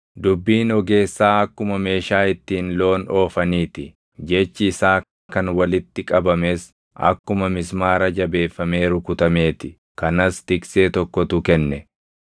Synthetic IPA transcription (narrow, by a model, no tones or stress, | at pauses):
d̪ʊbːiːnɔɡe̞ːsːaːɐkːʊmɐme̞ːʃaːɪt̪ːiːnlo̞ːno̞ːfɐniːt̪ɪ | d͡ʒɛt͡ʃːɪsaː | kɐnwɐlɪt̪ːɪkʼɐbɐmes | ɐ̰kːʊmɐmɪsmaːɾɐd͡ʒɐbe̞ːfːɐme̞ːɾʊkʊt̪ɐme̞ːt̪ɪ | kɐnɐst̪ɪkse̞ːt̪ɔkːɔt̪ʊkɛnːɛ